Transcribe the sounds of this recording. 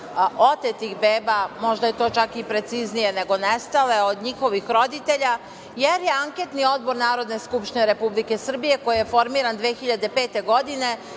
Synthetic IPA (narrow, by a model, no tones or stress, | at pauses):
ot̪et̪ixbeːbamo̞ʒd̪ajet̪o̞ːt͡ʃakipɾe̞t̪siznije̞ne̞ɡo̞nest̪ale̞od̪ɲixo̞ʋixɾo̞d̪it̪e̞ʎa | jeɾje̞aŋket̪nio̞d̪bo̞ɾnaːɾo̞d̪ne̞skupʃt̪ineɾe̞publike̞sr̩bije̞ko̞jije̞fo̞ɾmiːɾand̪ʋeːxiʎad̪e̞pe̞ːt̪e̞ɡo̞d̪ine̞